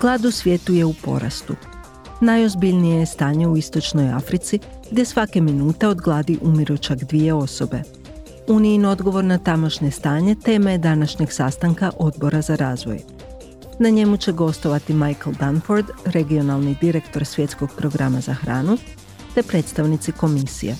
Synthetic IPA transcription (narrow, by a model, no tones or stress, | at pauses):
ɡ̥lˠaːd̪usʋje̞ːt̪uje̞upo̞̰ɾa̰st̪ṵ | najo̞zbiʎnijejest̪aːɲe̞uist̪o̞t͡ʃno̞ja̰fɾit̪si | ɡd̪je̞sʋake̞minuːt̪e̞o̞d̪ɡlˠaːd̪iʔumiɾot͡ʃaɡd̪ʋije̞o̞so̞̰be̞ | uniino̞d̪ɡo̞ʋo̞ɾnat̪amo̞ʃɲe̞st̪aːɲe̞t̪e̞ːmed̪anaʃɲe̞ɡsast̪aŋkaʔo̞d̪bo̞ɾazaɾaːzʋo̞̰j | naɲe̞mut͡ɕe̞ɡo̞st̪o̞ʋat̪imajklˠd̪anfo̞ɾd̪ɾe̞ɡio̞nalˠnid̪iɾe̞kt̪o̞ɾsʋje̞t̪sko̞ɡ̥̚pɾo̞ɡɾamazaxɾaːnu | t̪e̞pɾe̞ːt̪st̪aʋnit̪siko̞misḭjḛ